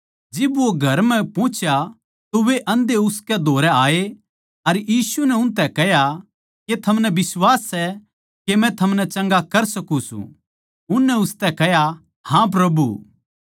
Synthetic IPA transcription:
d͡ʒɪbʋoɡʱɐɾmɛ̃pɔ̃ːt͡ʃja | t̪oʋeʔɐ̃nd̪eʊskɛd̪ʱoːɾɛaːe | ɐɾjiːsunɛʊnt̪̬ɛkɛɦja | ket̪ʰɐmnɛbɪswaːsːɛ | kemɛ̃t̪ʰɐmnɛt͡ʃɐ̃ŋɡakɐɾsɐkũsṵ̃ | ʊnːɛʊst̪ɛkɛɦja | hãp̬ɾɐbṵ

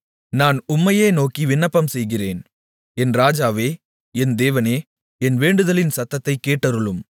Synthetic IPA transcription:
naːnʊmːɐjeːnoːkiʋɪnːɐpːɐmsɛjɣɪreːn | ɛnɾaːd͡ʒaːʋeː | ɛnd̪eːʋɐneː | ɛnʋeːɳɖɯðɐlɪnsɐt̪ːɐt̪ːɐɪkːeːʈːɐɾɯɭɯm

